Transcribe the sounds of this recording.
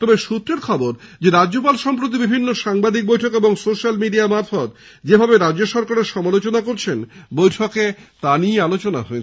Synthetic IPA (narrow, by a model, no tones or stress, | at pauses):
t̪ɔbeʃut̪ːɾeɾkʰɔboɾd͡ʑeɾadːd͡ʑop̬alʃɔmp̬ɾot̪̬ibibʱinːoʃaŋbad̪ik̚bojʈʰɔkeboŋsoʃalmiɖiamaɾfɔt̪ | d͡ʑebʱabeɾadd͡ʑoʃɔɾkaɾeɾʃɔmalot͡ɕonakoɾt͡ɕʰenbojʈʰɔket̪anialot͡ɕonaɦoe